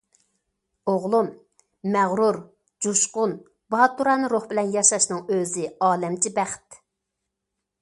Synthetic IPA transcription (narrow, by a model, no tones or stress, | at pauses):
oʁlˠumː | æʁɾuɾ | d͡ʒuʃqʊn | bɑɑt̪uɾɑːnɨɾoχbɪlɛnjɑʃɑʃnɨŋøzɪɑːlɛmt͡ʃʰibæχt̪